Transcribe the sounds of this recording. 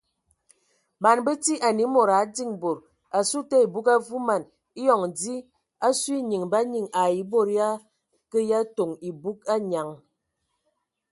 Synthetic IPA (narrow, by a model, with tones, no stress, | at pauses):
ba˨nbə˦ti˦ʔa˨ni˨˦mo˨ɾa˨˦di˦˨ŋbo˨ɾ | a˨su˦te˦i˨bu˦ka˦vu˦ma˨n | i˦jɔ˨ŋ˨di˦ | a˦si˦ɲi˨ŋba˦ɲi˨ŋa˨i˨˦bo˦˨ɾja˦ | kə˦ja˦to˨ŋi˨bu˦k̚a˦ɲa˨ŋ